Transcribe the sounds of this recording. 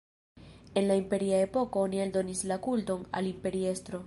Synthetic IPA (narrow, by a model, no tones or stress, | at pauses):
e̞nlaimpe̞ɾiae̞po̞ko̞onieldo̞nislakulto̞na̰limpe̞ɾie̞stɾo̞